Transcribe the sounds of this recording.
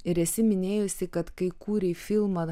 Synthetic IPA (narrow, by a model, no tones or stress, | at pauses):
ɪɾɛsʲɪmʲɪnʲeːjʊsʲɪkɐt̪kɐɪkuːɾʲɛfʲɪlˠmɐ